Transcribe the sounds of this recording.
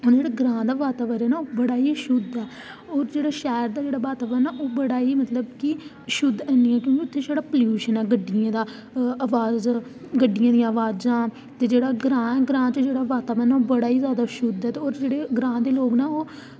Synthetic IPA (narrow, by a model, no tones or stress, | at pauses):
ond͡ʒeːɽaɡɾãːd̪aːʋaːt̪aːʋəɾɛːnaːoːbəɽaːiːʃʊd̪ɛː | oːɾd͡ʒeːɽaːʃɛːɾd̪aːd͡ʒeːɽaːbaːt̪aːʋənaːʔoːbəɽaːiːmət̪ləbki | ʃʊd̪ɛːniːɛːkjõːkiʊt̪ʰːẽːd͡ʒeːɽaːpljuːʃənɛːɡəɖːɪjãːd̪aː | aʋaːz | ɡəɖːɪjãːd̪ij̃aːʋaːd͡ʒãː | t̪eːd͡ʒeːɽaːɡɾãːɛːɡɾãːt͡ʃd͡ʒeːɽaːʋaːt̪aːbənaːoːbəɽaːiːzjaːd̪aːʃʊd̪ɛːt̪eːoːɾd͡ʒeːɽeːɡɾãːd̪eːloːɡnaːoː